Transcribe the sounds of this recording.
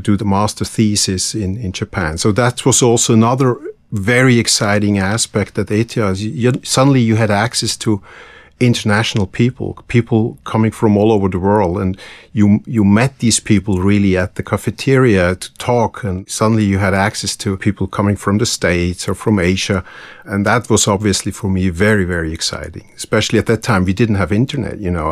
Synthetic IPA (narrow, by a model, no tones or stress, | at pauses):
dɨðəmɑstə˞θisɪsɪ̃nɪ̃nd͡ʒɨpʰæ̃nsoʊðæt̚wʌzoɔlˠsoʊənʌðə˞ | vɛɹiɨksaɪɾɪ̃ŋæspɛk̚t̪̚ðɨteɪtiəzjɨsʌdⁿn̩lijɨɨɾæksɛstʰə | ɪ̃ntə˞næʃn̩l̩ˠpʰipʰl̩ˠpʰipʰl̩ˠkʰʌmɪ̃ŋfɹʌ̃mɔlˠoʊvə˞ðəwɜ˞lˠdə̃njɨjɨmɛt̪̚ðiz̥pʰipl̩ˠɹɪlˠiɨt̪̚ðɨkʰəfɨtʰɪɹiɨtʰə̥tʰɔkʰɨ̃nsʌdⁿn̩lijɨɨɾæksɛstʰɨpʰipl̩ˠkʰʌmɪ̃ŋfɹʌ̃mðɨsteɪtsə˞fɹʌ̃meɪʒ̥ɨɨ̃nðət̚wʌzɑbviɨslifə˞mivɛɹivɛɹiɨksa̰ɪɾɪ̰̃ŋɨspɛʃl̩ˠiɨt̪̚ðɨtʰãɪ̃mjɨdɪdⁿn̩t̚hɨvɪ̃ntə˞nɛ̰t̚jɨnoʊ